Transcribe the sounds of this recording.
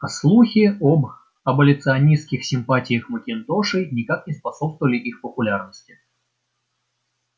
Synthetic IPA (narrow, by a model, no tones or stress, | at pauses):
ɐslˠuxʲɪob | ɐbəlʲɪt̪sɨɐnʲiskʲɪxsʲɪmpatʲɪjəxməkʲɪnt̪oʂɨjnʲɪkak̚nʲɪspɐsopst̪əvəlʲɪʔixpəpʊlʲarnəsʲtʲɪ